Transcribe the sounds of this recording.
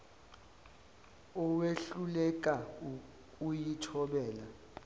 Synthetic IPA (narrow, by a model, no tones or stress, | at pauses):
ɔweɬulɛk̬ʼa | kujitʰɔɓɛːla